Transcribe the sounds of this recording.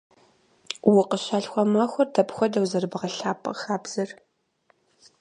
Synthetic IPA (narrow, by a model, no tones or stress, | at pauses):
wʊqəɕaːɬxʷɔmaxʷɔrdɐpxʷɔdɐwzɐrbɨʁɐɬaːpʼɐ̰xaːbz̥ɨr